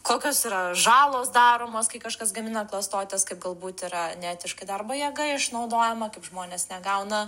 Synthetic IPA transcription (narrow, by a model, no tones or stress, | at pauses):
koːkʲoːsiːɾɐʒɑːlˠoːsd̪ɑːɾoːmoːskɐɪkɐʃkɐsɡɐmʲɪnɐklˠɐst̪oːt̪ʲɛskɐɪp̚ɡɐlˠbuːt̪ɪɾɐnʲæːt̪ʲɪʃkɐɪd̪ɐrbɐjɛɡɐɪɪʃnɐʊd̪oːjɛmɐkɐɪpʒmoːnʲeːsnʲɛɡɐʊnɐ